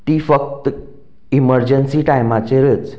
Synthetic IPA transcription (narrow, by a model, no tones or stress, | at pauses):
t̪iːfək̚t̪ | iməɾd͡ʑənsiʈajmat͡ɕeɾət͡s